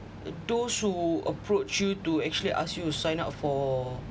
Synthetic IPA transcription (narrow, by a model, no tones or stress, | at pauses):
doshuə̰pɹot͡ʃjutuɛk̚t͡ʃuəliʔa̰sjuusãj̃napfɔ